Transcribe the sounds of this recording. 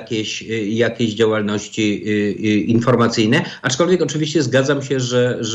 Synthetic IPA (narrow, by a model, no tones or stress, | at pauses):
kʲeɕjakʲeʑd͡ʑawalnɔɕt͡ɕi | infɔɾmat̪sɘjnɛat͡ʂkɔlvʲjɛkɔt͡ʂɘvʲiɕt͡ɕɛzɡad̪zamɕɛʐɛʐ